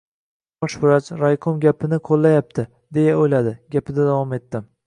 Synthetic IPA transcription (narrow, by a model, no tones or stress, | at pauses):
bɒʃbɪɾat͡ʃɾajqʰomɡʲapʰɪnɪqʰolˠːajap̚t̪ʰɪ | d̪e̞jaojlad̪ɪɡʲapɪd̪ad̪avɒme̞t̪ːɪm